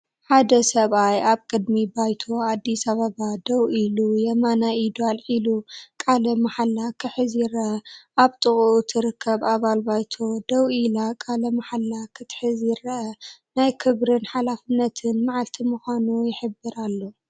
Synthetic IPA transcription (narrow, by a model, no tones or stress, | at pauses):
ħad̪ɐsɐβajaβkʼɨd̪mibajt̪ʰo̞ad̪ːisaβɐβad̪ɐwilujɛmanaid̪alʔilukʼalɐmaħalːakʰɨħɨzjɪɾɐʔɐʔaβt̪ʼɨχʼut̪ʰɨɾɨkʰːɐβaβalbajt̪ʰod̪ɐwilakʼalɐmaħalːakʰɨt̪ʰħɨzjɪrɐʔɐnajkʰɨβɾɨnħalafɨnːɐt̪ʰɨnmaʕalt̪ʰimuxʷanujɪħɨbːɨɾalːo